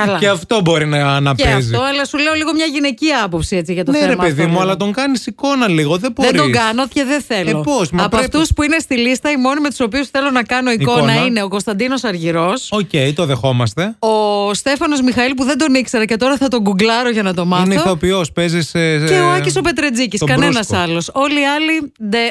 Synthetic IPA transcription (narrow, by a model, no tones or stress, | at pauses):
ɐlɐeɐft̪o̞bo̞ɾinɐːnɐpeɐfzito̞ɐlɐsule̞o̞liɣo̞mɲɐʝine̞ciɐpo̞psiet͡siʝɐt̪oneeɾemɐpeðimuɐlɐt̪o̞ŋɡɐnisiko̞nɐliɣoðeboenɾid̪oɡɐnoceðeθeloposmɐpoɐft̪uspuine̞st̪ilist̪ɐimo̞nimet̪u̥so̞piusθe̞lo̞nɐkɐno̞iko̞nɐine̞o̞ko̞nst̪ɐnd̪ino̞sɐɾʝiɾo̞socejt̪oðexo̞mɐst̪e̞ost̪e̞fɐno̞zmixɐilpuðe̞nd̪o̞nikseɾɐce̞t̪o̞ɾɐθɐt̪o̞ɡuɡlɐɾoʝɐnɐt̪o̞mɐθneoopiospeziseoɐciso̞pe̞t̪ɾed͡ziciskɐɾnesnɐɐsɐlo̞so̞liɐlid̪e